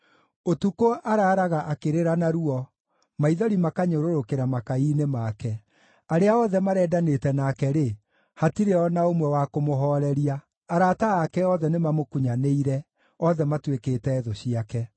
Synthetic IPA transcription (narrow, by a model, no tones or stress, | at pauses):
otukoʔaɾaːɾaɣaʔakeɾeɾanaɾuɔ | maiðɔɾimakaɲoɾoɾokeɾamakaiːnemakɛ | aɾeaɔðɛmaɾɛːdanetɛnakɛɾe | hatiɾeɔnaomwɛwakomoɦɔːɾɛɾiaː | ɾaːtaːkɛɔðɛnemamokuɲaneiɾɛ | ɔðɛmatweketɛːðoɕiakɛ